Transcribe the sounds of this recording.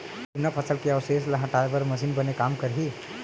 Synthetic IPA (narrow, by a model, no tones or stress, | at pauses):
unəpʰəsəlkeawsesləɦə̃ʈabəɾməsinbənekamkəɾɦi